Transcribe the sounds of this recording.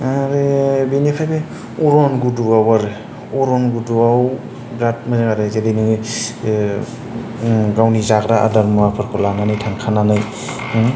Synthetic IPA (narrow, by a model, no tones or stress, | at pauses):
aɾebenepʰajbe | ɔɾɔnɡuduawaɾe | ɔɾɔnɡuduaw | bɾat̚mazeŋaɾɯzedejnɯŋɯ | ɡawnizakɾaʔa̰daɾmapʰɯɾkʰɔlananajtʰaŋkʰananɯj